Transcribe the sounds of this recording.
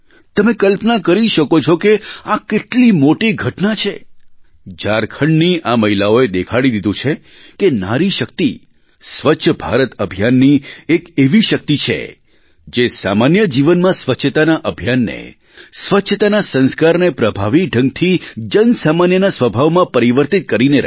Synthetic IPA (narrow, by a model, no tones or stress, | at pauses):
t̪əmẽkəlpnakəɾiʃəkot͡ʃʰokeakeʈlimoʈiɡʱəʈnat͡ʃʰe | d͡ʒaɾkʰəɳɖniʔaməɦilaoed̪ekʰaɽid̪id̪ũt͡ʃʰe | kena̰ɾiʃək̚t̪i | sʋətːʃʰəbʱa̰ɾət̪əbʱjanːiekeʋiʃək̚t̪it͡ʃʰḛ | d͡ʒesa̰manjəd͡ʒiʋənmãsʋəʃʰət̪anaʔəbʱjanːḛ | sʋətːʃʰət̪anasə̃nskaɾnepɾəbʱaʋik̚ɖʱə̃ŋɡ̚t̪ʰid͡ʒənsamanjənasʋəbʱaʋmãpəɾiʋəɾt̪it̪̚kəɾineɾ̰